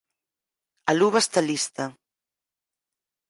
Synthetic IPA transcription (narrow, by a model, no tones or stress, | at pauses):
aluβast̪alist̪a